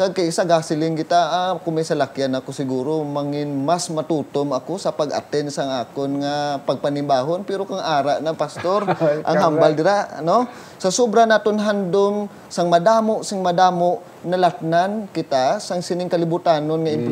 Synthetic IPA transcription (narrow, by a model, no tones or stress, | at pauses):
kaɡ̚kɐjʔɪsaɡaːsɪlɪŋkɪt̪aʔakʊŋmɐjsɐlakɪjanɐkosɪɡuːɾomaŋɪnmasmɐt̪uːt̪omʔɐkosɐpɐɡʔɐ̰t̪ɛnsɐŋʔaːkonŋapɐɡ̚pɐnɪmbaːɦonpɛɾokaŋʔaːɾaʔnɐŋpast̪oɾʔɐŋhambald̪ɪɾano | sɐsobɾanaːt̪onɦand̪om | saŋmɐd̪aːmoʔsaŋmɐd̪aːmoʔ | nɐlat̪̚nankɪt̪asɐŋsɪnɪŋkɐlɪbʊt̪aːnonŋɐɪmp